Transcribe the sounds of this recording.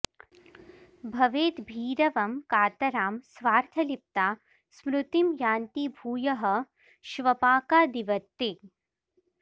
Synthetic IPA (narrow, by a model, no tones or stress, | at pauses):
bʱɐʋeːt̪bʱiːɾɐʋɐmkaːt̪ɐɾaːmsʋaːɾt̪ʰɐlip̚t̪aː | smɾut̪imjaːnt̪ibʱuːjɐɦɐ̆ | ʃʋɐpaːkaːd̪iʋɐt̪ːe